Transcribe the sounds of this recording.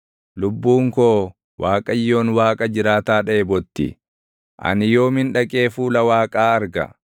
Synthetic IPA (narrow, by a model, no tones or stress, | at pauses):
lʊbːuːŋkoː | waːkʼɐjːo̞ːnwaːkʼɐd͡ʒɪɾaːt̪aːᶑɐebɔt̪ːɪ̰ | ʔɐ̰nɪjo̞ːmɪnᶑɐkʼe̞ːfuːlɐwaːkʼaːɐɾɡɐ̰